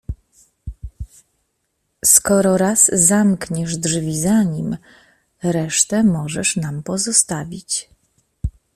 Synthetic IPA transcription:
skɔɾɔɾazːamkɲɛʐdʐvʲizaɲim | ɾɛʂt̪ɛmɔʐɛʂnampɔzɔst̪avʲit͡ɕ

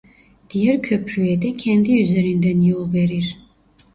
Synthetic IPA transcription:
d̪̥ijæɾcʰøpʰɾyjɛd̪ɛcʰɛnd̪iyzeɾind̪ænjolˠveɾiɾ̥

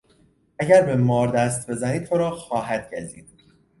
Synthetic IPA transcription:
æɟæɾbe̞mɒːɾd̪æst̪̚be̞zæniːd̪̚t̪ʰoɾɒːxɒːɦæd̪̥̚ɟæɾzḭːd̪̥̚

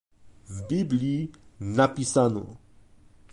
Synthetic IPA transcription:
vbiblinapisano̰

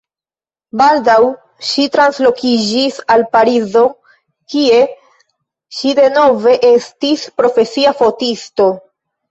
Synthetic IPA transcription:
baldaw | ʃitɾanslo̞kid͡ʒisalpaɾizo̞ | kie̞ | ʃide̞no̞ve̞ʔe̞stispɾo̞fe̞siafo̞tisto̞

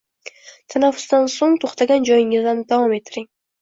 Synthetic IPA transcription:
t̪ʰanafʊ̥sd̪ansoŋt̪ʰoχt̪aɡʲand͡ʒɒjɪŋɪzd̪and̪avɒmet̪ʰːɪɾɪŋ

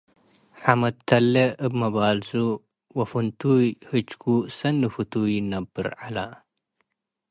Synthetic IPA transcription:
ħamɐt̪ʰːɐlːeɨbmɐbaːlzu | wɐfunt̪uːjhɨt͡ʃkusɐnːɨfut̪ujnɐbːɨ̰ɾʕalaː

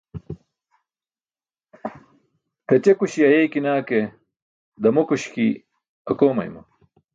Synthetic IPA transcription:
tɐt͡ɕekuɕiɐjejkinaːke | d̪ɐmokuɕkḭ | ɐkoːmɐ̰jmɐ̰

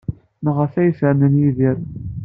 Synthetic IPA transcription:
nəʁəfæjəsəʕnənjiðiɾ

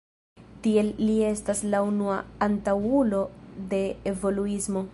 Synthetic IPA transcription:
tie̞lːie̞staslaunuaːntawulo̞de̞ːvo̞luismo̞

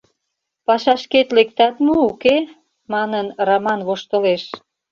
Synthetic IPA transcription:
pɑʃɑʃket̪lek̚t̪ɑt̪mouke | mɑnənrɑmɑnβoʃt̪əleʃ

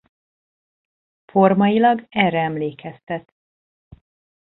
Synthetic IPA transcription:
fo̞rmɒjilɒɡɛrɛɛmleːkɛst̪ɛt̪

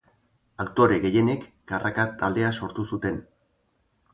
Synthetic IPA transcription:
akt̪o̞ɾe̞ɣe̞je̞ne̞kːarʔakat̪ald̪e̞aso̞ɾt̪usut̪e̞n

